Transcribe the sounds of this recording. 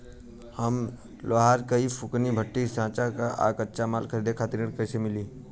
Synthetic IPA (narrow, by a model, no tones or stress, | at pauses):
hɐm | loɦaːɾkɐipʰʊknibʱəʈːisãːt͡ʃakaʔa̰ːkətːʃʰamaːlkʰəɾiːd̪ekʰaːt̪ɪɾnɪɽkəsemɪliː